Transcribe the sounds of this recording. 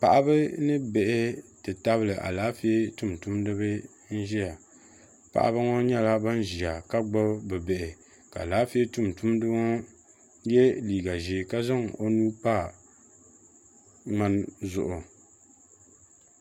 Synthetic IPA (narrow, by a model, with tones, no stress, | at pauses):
pa˨ʔa˦bɨ˦nɨ˦bɛ˨ʔɪ˦tɨ˨ta˦βɨ˦lɨ˨ʔa̰˨laː˨˦fi˦e˦tu˦mtu˦mdɨ˦bɨ˦ | n̩˦ʒi˦a˨ | pa̰˨ʔa̰˦bɨ˦ŋɔ˦ɲɛ˦la˦ba˦n˦ʒi˨a˨ka˦ɡ͡ba˦bɛ˨bɛ˨ʔɪ˨ | ka̰˨laː˨˦fi˦e˦tu˦mtu˦mdɨ˦ɔ˦ | jɛ˦liː˨ɡa˨ʒi˨ka˦za˦ŋo˦nuː˦pa˦˨ | ŋ͡ma˦nzʊ̰˨ʔʊ˨